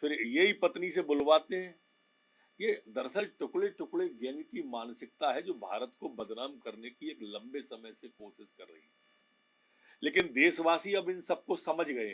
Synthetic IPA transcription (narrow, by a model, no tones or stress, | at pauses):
fɪɾjeɦipɐt̪nisebʊlʋaːt̪eɦɛ̃ː | jed̪ɐɾsəlʈʊkɭleʈʊkleɡɛːnkimaːnsɪk̚t̪aɦɛd͡ʒoːbʱa̰ːɾət̪kobɐd̪naːmkɐɾnekieːklɐ̃mbesɐməjsekoːʃɪʃkɐɾːɐ̰ɦiɦɛɛ | leːkɪnd̪eːsʋaːsiɐbɪnsɐb̚kosɐməd͡ʒʱɡɐeɦ